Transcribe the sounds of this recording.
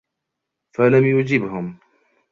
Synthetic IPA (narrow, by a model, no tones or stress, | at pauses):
falamjʊd͡ʒɪbhʊm